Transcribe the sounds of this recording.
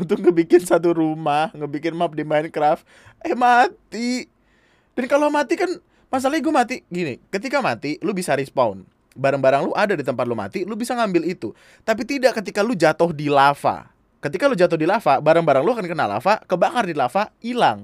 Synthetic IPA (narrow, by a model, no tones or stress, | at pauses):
unt̪ʊk̚ŋəbikɪnsat̪uɾumahŋəbikɪnmap̚dimaɪnkɾaf | ɛhmat̪i | d̥ankalomat̪ikan | mas̬alaɲaɡumat̪iɡinikət̪ikamat̪ilubisaɾispan | baɾaŋbaɾaŋluʔadadit̪əmpat̪̚luma̰t̪ilʊbisaŋambɪlit̪u | t̪ap̬it̪idaʔkət̪ikalud͡ʒat̪ʊhdilafa̰ | kət̪ikalud͡ʒat̪ʊhdilafabaɾaŋbaɾaŋluakankənala̰fakəbakardilafailaŋ